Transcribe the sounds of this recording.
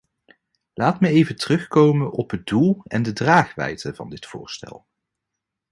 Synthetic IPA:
lʔaːtməejvətərɵχkowmənʔɔpɦəd̚dulˠɛndədraːχʋɛ̰jtəvɑ̰ndɪtfʊ̰ːɹstɛ̰lˠ

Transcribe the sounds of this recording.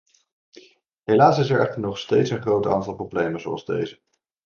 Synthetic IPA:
ɦelaːsɪsɛɹɛχtəɹnɔχstejtsənχrowta̰ːntɑlˠproblejmənzoɑlˠzdḛjzə

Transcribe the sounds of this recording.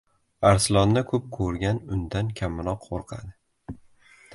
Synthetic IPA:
aɾsɪlˠɒnːakʰɵp̚kʰɵɾɡʲanʊnd̪ankʲʰamːɪnɒqʰːoɾqʰa̰d̪ɪ

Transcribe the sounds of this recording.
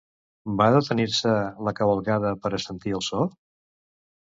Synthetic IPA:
baðət̪əniɾsələkəβəlˠɣaðəpəɾəsənt̪iəlˠsɔ

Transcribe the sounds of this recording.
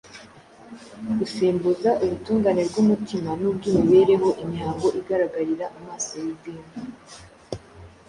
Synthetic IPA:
ɡ̥usiːmbuzaʔuɾutuːŋɡaːneɾɡumutimanubɡuːmiβe̞ɾe̞ho̞ʔiɲhaːŋɡo̞ʔiɡaɾaɡaɾiɾaʔamaːsojibdiːmbu

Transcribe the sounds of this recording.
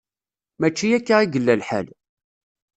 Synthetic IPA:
mæt͡ʃːijækːaiɡəlːælħæ̰l

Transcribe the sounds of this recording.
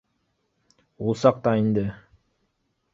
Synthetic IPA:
ulˠsɑq̚t̪ɑind̪ɘ

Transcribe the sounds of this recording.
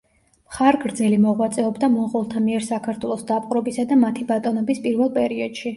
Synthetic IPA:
mχaɾɡɾd̪zɛlimɔʁwat̪sʼɛɔbd̪amɔʁɔlˠt̪ʰamiɛɾsakʰaɾt̪ʰwɛlˠɔsd̪apʼqʼɾɔbisad̪amat̪ʰibat̪ʼɔnɔbispʼiɾvɛlˠpʼɛɾiɔd̪̥ʃi

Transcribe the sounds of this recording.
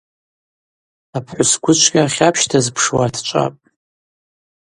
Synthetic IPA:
apʰħʷʊsɡʷʊt͡ʃʷʰɡʲʼaχʲapʰʃtʰazpʰʂwatʰt͡ʃʷʼa̰pʼ

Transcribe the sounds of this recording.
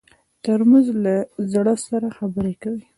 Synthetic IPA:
t̪əɾməzlazɽəsaɾaxabəɾekawi

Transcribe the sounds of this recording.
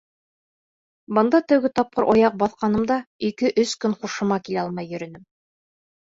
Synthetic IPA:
bɤ̆nd̪ɑt̪ɘ̆wɡɘt̪ɑp̚qɤɾʔɑjɑq̚bɑθqɑnɤ̆md̪ɑikɘʔɵskɵnχuʃɤ̆mɑkilæɑlˠmɑjːɵ̆ɾɵ̆nɘm

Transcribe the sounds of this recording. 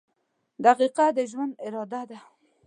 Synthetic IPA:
d̪aqiqad̪əʒwand̪ɪɾɑd̪ad̪a

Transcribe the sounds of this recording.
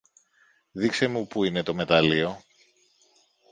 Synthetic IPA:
ðikse̞mupuine̞t̪o̞me̞t̪ɐlio̞

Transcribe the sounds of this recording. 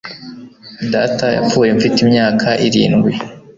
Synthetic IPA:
dataja̰fuːje̞ɱfitimɲaːkʰaʔiɾḭːnɡwe

